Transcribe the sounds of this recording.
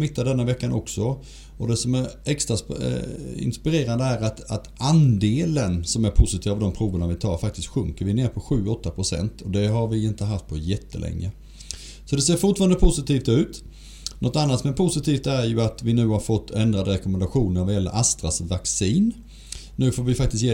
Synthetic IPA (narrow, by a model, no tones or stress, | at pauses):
mɪt̪ːad̪ɛnːavɛkːanʔɔksɔ | ɔd̪ɛsɔmæɾɛkst̪ɾas | ɪ̰nspɪɾeːɾand̪əæɾat̪at̪and̪eːlənsɔmæɾpʰʊsɪt̪iːvavd̪ɔmpʰɾuːvəɳavɪt̪ʰɑ̰ːɾfak̚t̪ɪst̪ɧɵŋkəɾvɪneːɾpʰɔɧʉ̟ːɔt̪ːapʰɾʊsɛ̰nt̪ʰɔd̪ɛɦaɾvɪɪnt̪əɦaft̪̚pʰɔjɛt̪ːə̰lʔɛ̰ŋːə̰ | sɔd̪ɛseːɾfʊʈfɑːɾand̪əpʰʊsɪt̪ʰiːft̪ʉ̟ːt̪ | nɔt̪ːanːat̪mɛnpʰʊsɪt̪ʰiːft̪æɾjɵat̪vɪnʉ̟ːhaɾfɔt̪ʰːɛnd̪ɾad̪əɾɛkɔmɛnd̪aɧuːnənvaɾjɛlːə̰ɾʔast̪ɾasvaksiːn | nʉ̟ːfoːɾvɪfak̚t̪ɪst̪jeː